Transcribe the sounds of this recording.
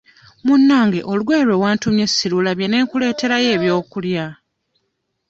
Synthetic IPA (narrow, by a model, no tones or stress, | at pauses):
munːaːŋɡe̞ʔo̞lɡwe̞ːɾwe̞waːntumje̞sːilulaβje̞ne̞ːŋkule̞ːte̞ɾaje̞ːβjo̞ːkulja